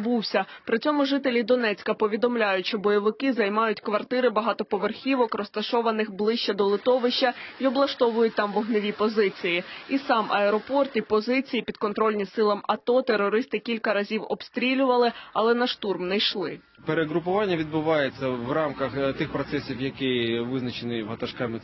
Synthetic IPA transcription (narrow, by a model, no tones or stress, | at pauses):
buwsʲɐpɾɪt͡sʲɔmʊʒɪt̪elʲid̪ɔnɛt͡sʲkɐpɔʋʲid̪ɔmlʲajʊtʲʃt͡ʃɔbɔjɔʋɪkɪzɐjmɑjʊtʲkʋɐrt̪ɪɾɪbɐɦɑt̪ɔpɔʋerxʲiʋɔkrɔst̪ɐʃɔʋɐnɪxblˠɪʃt͡ʃɛd̪ɔlˠɪt̪ɔʋɪʃt͡ʃɐiɔblˠɐʃt̪ɔʋʊjʊt̚ʲt̪ɑmʋɔɦnɪʋʲipɔzɪt͡sʲijiisɑmʔɐɛɾɔpɔrt̪ipɔzɪt͡sʲijipʲid̪̥kɔnt̪ɾɔlʲnʲisɪlˠɐmɐt̪ɔt̪eɾɔɾɪst̪ɪkʲilʲkɐɾɐzʲiwɔbst̪ɾʲilʲʊʋɐlˠɪɐlˠɛnɐʃt̪urmnɛjʃlˠɪ | peɾeɦɾʊpʊʋɑnʲːɐʋʲid̪bʊʋɑjet͡sʲːɐʋrɑmkɐxt̪ɪxpɾɔt̪sɛsʲiwjɐkɪʋɪznɐt͡ʃenɪɦɐt̪ɐʃkɑmɪ